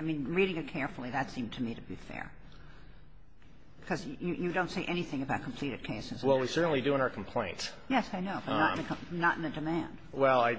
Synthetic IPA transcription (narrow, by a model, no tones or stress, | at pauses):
aɪmĩnɹiɾɪ̃ŋɨt̚kʰɛɹfl̩ˠiðɨtsĩmtʰɨmiɾɨbifɛ̰ɹ | kʰʌzjɨjɨdõʊ̃ntseɪʔɛniθɪ̃ŋɨbaʊt̚kʰm̩pʰl̥iɾɨd̚kʰeɪsɨz̥wɛlˠwisɜ˞ʔn̩lidʉɪ̃ŋaʊə˞kʰm̩pʰl̥ẽɪ̃ntjɛsaɪnoʊb̥ʌnəɾ̃n̩ɨknəɾ̃nɨdɨmæ̃nd̥wɛlˠaɪ